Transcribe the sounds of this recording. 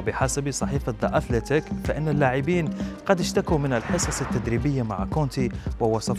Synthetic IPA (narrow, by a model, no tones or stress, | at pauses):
bɪħasabisˤɑħiːfad̪ˤɑʔaθlɪt̪akfaʔɪnːalːaːʕɪbiːnqɑd̪ɪʃt̪akumɪnalħɨsˤɑsat̪ːad̪ɾiːbɪjːamaʕakoːnt̪iwɪwɑsˤɑf